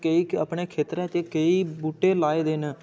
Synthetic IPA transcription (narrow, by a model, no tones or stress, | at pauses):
kəiːə̰pɳeːkʰeːt̪ɾɛ̃ːt͡ʃəkəiːbuːʈeːlaːeːd̪eːnẽː